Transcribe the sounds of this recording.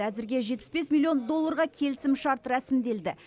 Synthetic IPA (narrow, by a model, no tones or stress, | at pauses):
æzɪɾɡʲe̞ʒet̪pɪ̥sbe̞smʲilʲijo̞nd̪o̞lˠːɑɾʁɑkʲʰe̞lɪsɪmʃɑɾt̪ɾæsɪmd̪e̞ld̪ɪ